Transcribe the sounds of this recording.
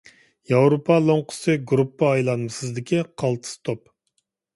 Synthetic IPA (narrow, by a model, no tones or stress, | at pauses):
jɑwɾopʰɑlˠoŋqʰʊ̥sɨɡɾupːəːjlˠɑnmɨsɨzd̪ɪkʲʰiqʰɑlˠt̪ʰɨ̥st̪ʰop̚